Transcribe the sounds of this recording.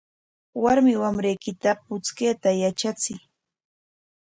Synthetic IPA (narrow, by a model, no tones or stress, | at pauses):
waɾmɪwamɾejkɪt̪apʊt͡skeːt̪ajat͡ʃat͡sɪj